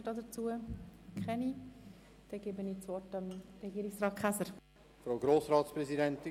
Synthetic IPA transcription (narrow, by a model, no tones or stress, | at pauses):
ədɑːdət͡suəkʰχɛni | d̥ɛɡ̥eːbənit͡sʋɔtəmrɛɡiːɾɪksrɑːt̚kʰχasəɾ | fɾawɡɾoːsɾɑːtspɾɛzidɛnti